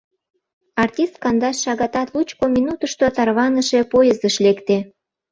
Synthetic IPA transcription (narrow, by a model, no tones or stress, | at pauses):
ɑrtʲist̪̚kɑnd̪ɑsʃɑɣɑt̪ɑt̪lut͡ɕkominut̪əʃt̪ot̪ɑrβɑnəʃepojəzəʃlekt̪e